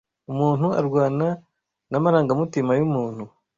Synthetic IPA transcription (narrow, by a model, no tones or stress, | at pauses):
umuːnhua̰ɾɡwaːna | namaɾaːŋɡamutimajumuːn̥hu